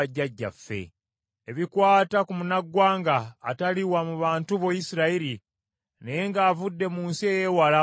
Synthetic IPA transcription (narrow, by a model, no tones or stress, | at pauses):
aɟːaɟːa̰fːe̞̰ | eβikwaːtakumunaɡwaːŋɡaːtaliwamuβaːntuβojisiɾaiɾi | nejeŋɡaːvudːe̞muːnsie̞je̞wala